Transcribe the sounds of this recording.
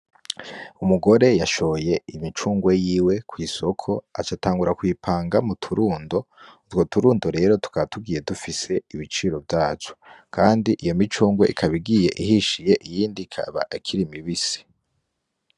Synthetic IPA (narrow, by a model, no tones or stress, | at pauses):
umuɡo̞ɾe̞jaʃo̞je̞imit͡ʃuːŋɡwe̞jiːwe̞kwiːso̞kʰo̞at͡ʃataːŋɡuɾakwiːpʰaːŋɡamutʰuɾuːndo̞utwo̞tuɾuːndo̞ɾe̞ɾo̞tu̥kaβatuɡiːje̞dufise̞iβit͡ʃiːɾo̞vjaːt͡ʃo̥kʰaːndiʔijo̞mit͡ʃuːŋɡwḛʔikʰaβiɡije̞ʔiɦiʃije̞ʔijiːndikʰa̰βa̰ʔikʰiɾimiβisi̥